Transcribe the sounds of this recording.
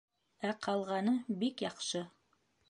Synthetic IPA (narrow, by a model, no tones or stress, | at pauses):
æqʰɑlˠʁɑnɤbikjɑqʃɤ